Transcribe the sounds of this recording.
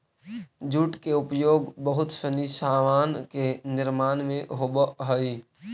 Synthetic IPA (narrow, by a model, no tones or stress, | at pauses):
d͡ʒuʈkeʊpjoːɡbəɦʊt̪sənisaːmaːnkenɪɾmaːnmẽɦobəɦəi